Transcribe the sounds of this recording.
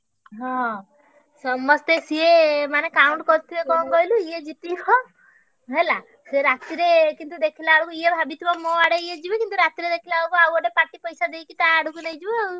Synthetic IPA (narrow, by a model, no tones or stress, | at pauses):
ɦɔ̃ | sɔmɔst̪esiemanekauɳʈkɔɾt̪ʰibekɔ̃kɔjluijed͡ʒit̪ikɔ | ɦela | seɾat̪iɾekint̪ud̪ekʰilaːɽukuiebʱabit̪ʰibɔmɔaɽeied͡ʒibekint̪uɾat̪iɾed̪ekʰilaɽukuawɔɖepaʈipɔjsad̪ejkit̪aːɽukunejd͡ʒibɔ